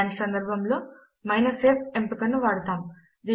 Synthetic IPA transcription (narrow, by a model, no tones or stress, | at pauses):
nisɐnd̪ɐɾbʱɐmloː | mɐjnɐseːp̚empikɐnːuʋaːɽt̪aːm | d͡ʒe